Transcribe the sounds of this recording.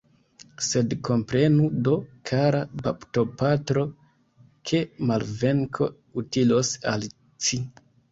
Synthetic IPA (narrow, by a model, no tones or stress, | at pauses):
se̞dko̞mpɾe̞nudo̞kʰaɾapa̰pto̞patɾo̞ | kʰemalve̞ŋkʰo̞̰ | utilosal | ti